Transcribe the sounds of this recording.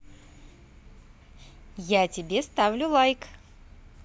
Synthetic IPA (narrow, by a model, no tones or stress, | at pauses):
jatʲɪbʲest̪avlʲʊlˠajk